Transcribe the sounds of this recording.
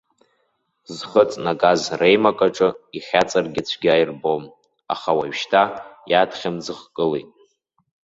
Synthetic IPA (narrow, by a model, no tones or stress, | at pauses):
zχət͡sʼnaɡʼazrejmakʼaʈ͡ʂʼɨiχʲat͡sʼarɡʲɪt͡ɕʷʰɡʲajrbom | a̰χawaɥʃtʰajadχʲamd͡zɨχkʼɨlḛjtʼ